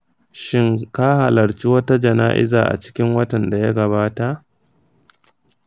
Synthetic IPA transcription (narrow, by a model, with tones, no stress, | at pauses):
ʃɪ˦ŋka˦ha˨lɐ˨ɽt͡ʃi˦wɐ˦ta˦d͡ʒɐ˨naː˦ʔɪ̰˦zaː˨ʔa̰˨t͡ʃɪ̥˦kʲɪ˦ŋwɐ˦tɐ˨nda˨ja˦ɡɐ˨βaː˦ta˨ʔ